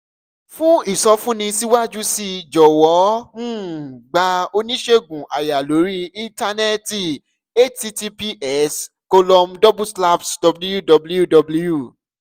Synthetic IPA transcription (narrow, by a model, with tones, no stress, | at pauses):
fũ˦i˦˨sɔ˧˦fũ˦nĩ˧si˦wa˦˨d͡ʒu˦si˦˨d͡ʒɔ˨wɔ˨˦ũ˦ɡ͡ba˧o˧nĩ˦ʃe˦ɡũ˨ʔa˨ja˨lo˨˦ɾi˦i˦ta˧nɛ˦ti˨ | e˦t͡ʃi˦ti˧pi˦ʔɛ˦s | ko˧lɔ˧m˦dɔ˦bu˦sla˦psd̥ɔ˧blu˦ju˦dɔ˧blu˦ju˦˨dɔ˧blu˦ju˦˨